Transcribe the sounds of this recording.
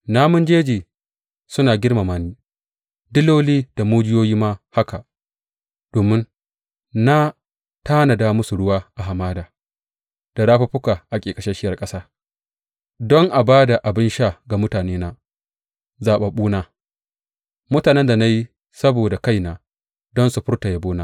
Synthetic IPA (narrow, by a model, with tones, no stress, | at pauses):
naː˦mʊ˦nd͡ʒeː˦d͡ʒeː˨ | sʊ˦naː˨ɡʲɪ˦rma˨maː˨niː˦ | dɪ˦loː˦liː˦d̥a˨moː˦d͡ʒɪ˦joː˦jiː˦maː˦ha˦ka˨ | d̥oː˨mɪ˦n | na˦ | taː˦nɐ˨da˦mʊ˦su˨ɽʊ˦waː˦ʔa˨ɦa˨maː˦daː˨ | d̥a˨ɽa˦ɸa˦ɸʊ˦kaː˨ʔa˨kʲʼeː˨kʼɐ˨ʃɛ˦ʃɪ˦jɐ˨rkʼɐ˦saː˦ | dɔ˦ŋʔa˨baː˦da˨ʔa˨bɪ˦nʃa˦˨ɡa˨mʊ˦taː˨neː˦na˦ | zaː˨ɓa˨ɓuː˦naː˦ | mʊ˦taː˨nɛ˦nda˨na˦ji˦ | sɐ˦boː˨da˨ka˦jnaː˨ | dɔ˦nsu˨ɸʊ˦rta˨ja˦boː˦naː˦